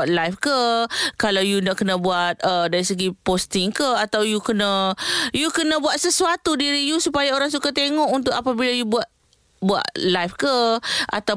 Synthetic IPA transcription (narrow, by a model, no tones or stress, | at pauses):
at̪̚lafkəkalawjunaʔkənãbuat̪̚ədaɾisəɡipost̪ɪŋkəat̪awjukənãjukənə̃buat̪̚səsuat̪udiɾijusupajaoɾaŋsukat̪eŋɔʔunt̪̬ʊkapabilajubuat̪̚ | bua̰ʔlafkəʔa̰t̪a